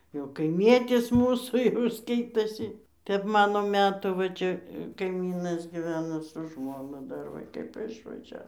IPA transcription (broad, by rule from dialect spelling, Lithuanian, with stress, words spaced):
jɛʊ kɐɪˈmʲiɛtʲɪs ˈmuːsuː jɛʊ ˈskɐɪtoːsʲɪ ˈtʲɛp ˈmɑːnoː ˈmʲæːtuː ʋɐ ˈt͡ʃʲɛ kɐɪˈmʲiːnɐs ɡʲɪˈʋʲæːnoː sʊ ˈʒmoːnʊ ˈdɐr ˈʋɐ kɐɪp ɪʃʋɐˈʒʲæːʋoː